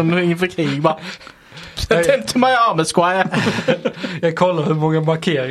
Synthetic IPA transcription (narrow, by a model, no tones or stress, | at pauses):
ɪŋːəfœɾkʰɾiːɡbɑ | ɛmt̪ʰəmæɪɑməskwa | jɑɡ̚kʰɔlːaɾhɵɾmɔŋːəmaɾkʰeːɾɪ